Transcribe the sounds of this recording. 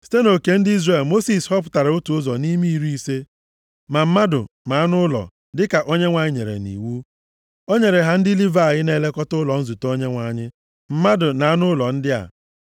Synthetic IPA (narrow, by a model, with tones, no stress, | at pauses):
si̥˦te˦no˨ke˨n̩˦di˦zre˨lmo˦si˨shɔ˦p̬ʊ˨ta˨ɾɪ˨ʊ˦tu˨ʊ˦zɔ˨ni˦mi˦i˦˨ɾi˦i˦se˦ | ma˨m̩˦ma˦dʊ̰˨na˨a˦nʊ˦lɔ̰˨ | dɪ˦ka˨ʔo˦ɲe˦ŋʷa˨ɲɪ˦ɲḛ˨ɾḛ˨nḭ˨wu˦ | o˦ɲe˨ɾe˨ɦa˦n̩˦dɪ˦li˦va˨a˨ɣɪ˦ne˦le˦kɔ˦tʊ˦lɔ˨n̩˦zu˨to˦ɲe˦ŋʷa˨˦˨ɲɪ˦ | m̩˦ma˦dʊ˨na˨a˦nʊ˦lɔ˨n̩˦dɪ˦a̰˨